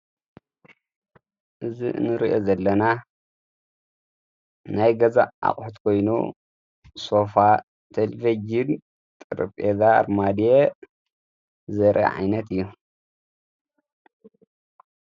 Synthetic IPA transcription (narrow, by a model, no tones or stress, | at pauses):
ʔɨzḭnɨɾiʔozɐlːɐna | najɡɐza̰ʔa̰χʼħut̪kʰo̞jnṵ | so̞fa | t̪ʰɐlvɐd͡ʒin | t̪ʼɨɾɨpʼeza̰ɾmad̪ije | zɐɾʔɐ̰ʕa̰jnɐt̪ɨjːu